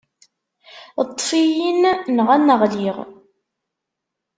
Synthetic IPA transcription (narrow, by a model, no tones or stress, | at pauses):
t̪ˤːfijinnəʁænːəʁliʁ